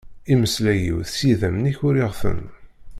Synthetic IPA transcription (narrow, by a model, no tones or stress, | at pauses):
iməslæjḭwθsiðæmniçʊɾiʁθə̰n